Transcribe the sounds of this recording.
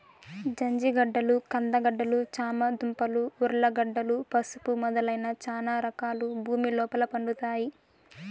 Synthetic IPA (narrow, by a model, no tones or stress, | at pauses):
d͡ʒɐɲd͡ʒiɡɐɖːɐlukɐnd̪ɐɡɐɖːɐlut͡ʃaːmɐd̪umpɐluːɾlɐɡɐɖːɐlupɐsu̥pumɔd̪ɐlɐjnɐt͡ʃaːnaːɾɐkaːlubʱuːmilɔːpɐlɐpɐɳɖut̪aːji